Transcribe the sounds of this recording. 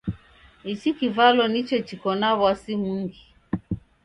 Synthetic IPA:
it͡ʃikivalɔnit͡ʃɛt͡ʃikɔnaβwasimuŋɡi

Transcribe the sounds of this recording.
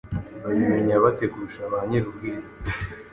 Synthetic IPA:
βajumiɲaβatekuɾuʃaβaɲeɾubɡiːza

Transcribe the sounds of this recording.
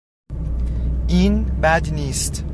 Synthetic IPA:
ʔiːnbæd̪niːst̪

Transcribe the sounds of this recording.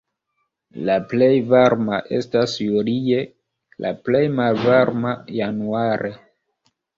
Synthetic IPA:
laple̞jvaɾmaʔe̞̰stasjulie̞ | lʔa̰ple̞jmalvaɾmajanuaɾʔe

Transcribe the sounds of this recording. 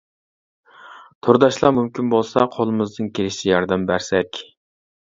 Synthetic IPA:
t̪ʰoɾd̪ɑʃlˠɑmumkʲinbolˠsɑ̰qʰolˠɨmɨzd̪ɨnkʲelɪʃt̪ɪjɑɾd̪ɛmbæɾsɛkʲ

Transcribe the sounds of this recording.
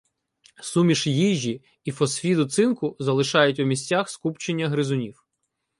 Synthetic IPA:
sumʲiʃjiʒʲi | ifɔsfʲid̪ʊt̪sɪnkʊzɐlˠɪʃɑjʊtʲumʲisʲt͡sʲaxskupt͡ʃenʲːɐɦɾɪzʊnʲiw

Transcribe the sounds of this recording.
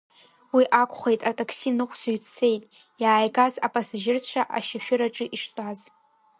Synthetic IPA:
wiʔakʷʰʼχʷejtʼatʼakʰsinɨχʷʰzɥt͡sʰe̞jtʼ | jaːjɡazapʼasaʒɪrt͡ɕʷʰaʔa̰ʃaʃᶣʊɾaʈ͡ʂʼɨʔiʂtʼaz

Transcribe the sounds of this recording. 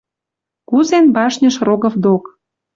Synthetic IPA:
kuzenbɑʃnʲəʃroɣə̆fd̪ok

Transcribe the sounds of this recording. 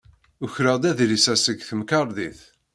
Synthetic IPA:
ʊçɾəd̪æðɾisæsəɡθəmkɑɾˤðiθ

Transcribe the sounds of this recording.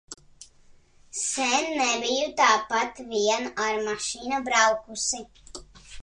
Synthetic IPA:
sɛnːɛbijut̪aːpat̪viɛnaɾmaʃiːnabɾawkusi

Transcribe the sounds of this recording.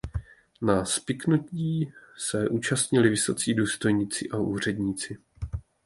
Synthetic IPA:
naspɪknuciːsɛʔuːt͡ʃast̪ɲɪlɪvɪsot͡siːduːst̪o̞jɲɪt͡sɪʔaʔuːr̝ɛdɲiːt͡sɪ

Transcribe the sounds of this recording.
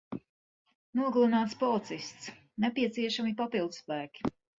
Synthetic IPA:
nuɔɡlˠunaːt̪spɔɔt̪sist̪s | nɛpiɛt̪siɛʃamipapilˠd̪spæːkʲi̥

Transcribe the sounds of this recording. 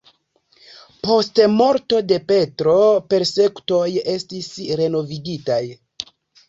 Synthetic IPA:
po̞stmo̞ɾto̞de̞pe̞tɾo̞pe̞ɾse̞ku̥to̞je̞stisɾe̞no̞viɡitaj

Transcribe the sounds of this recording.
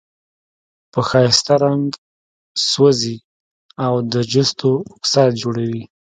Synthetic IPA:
pəxɑjɪst̪aɾaŋɡ | swəzi | awd̪əd͡ʒʊst̪oʊksɑt̪̚d͡ʒoɽawi

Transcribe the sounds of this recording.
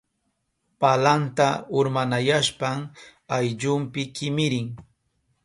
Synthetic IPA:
palant̪aʊɾmanajaʃpaŋajʎʊmpɪkɪmɪɾɪŋ

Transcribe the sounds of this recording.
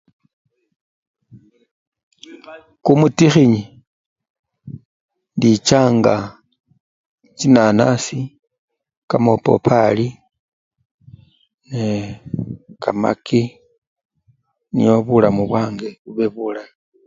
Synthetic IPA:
kumutixiɲi | ndit͡ʃaːŋɡa | t͡ʃinanasi | kamopo̞̰pʰali | ne | kama̰ki | nijoβulamuβwaːŋɡe̞βuβe̞βulami

